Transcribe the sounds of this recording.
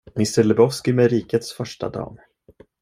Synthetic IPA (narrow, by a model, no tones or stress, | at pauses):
mɪst̪əlɛbɔfskɪmɛɾiːkət̪sfœʂʈa̰d̪ɑ̰ːm